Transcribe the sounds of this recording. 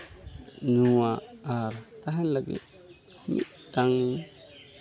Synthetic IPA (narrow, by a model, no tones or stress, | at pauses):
nuaaɾt̪aɦanlaɡḭ | mḭ | taŋ